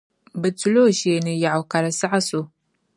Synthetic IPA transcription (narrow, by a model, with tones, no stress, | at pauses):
bɨ˨t͡su˦lo˦˨ʃe˨nɨ˨ja˨ʕa˨ka˨ɾa˨sa˦ʕa˦so˨